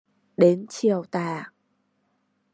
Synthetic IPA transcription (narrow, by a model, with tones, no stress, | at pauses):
ɗe˨˦nt͡ɕi˨˩əwt̪aː˧˨˩